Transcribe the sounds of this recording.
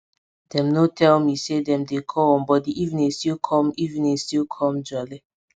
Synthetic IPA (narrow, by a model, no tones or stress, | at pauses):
d̥ɛ̃mnotʰɛlmisedɛ̃mdekʰɔɔ̃nbɔt̚diʔivnĩstilkʰɔ̃mivĩnĩstilkʰɔ̃md͡ʒɔli